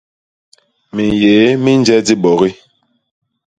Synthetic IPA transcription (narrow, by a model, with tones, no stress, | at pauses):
mi˨jeː˨˦mi˦nd͡ʒɛ˦di˦ɓɔ˨ɣi˦